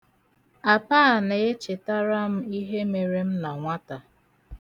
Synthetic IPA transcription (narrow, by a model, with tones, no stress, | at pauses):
a˨pa˦˨ne˨e˦t͡ʃɪ˨ta˦ɾa˦m̩˦i˦ɦe˦me˨ɾe˦m̩˦na˨ŋʷa˦ta˨